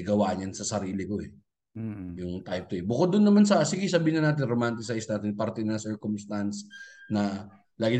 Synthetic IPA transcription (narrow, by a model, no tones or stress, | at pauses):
ɡɐwaːʔɲɐnsɐsɐɾiːlɪkoɛ | jʊŋt̪ajp̚t̪oɛbʊkod̪ːʊnːɐmans̬ɐsiɡɪsɐbiːɪnɐnaːt̪̬ɪnɾomant̪ɪsajsnaːt̪ɪnpɐɾt̪ɛnɐŋsɛɹkʊmst̪ansnɐ | laːɡɪ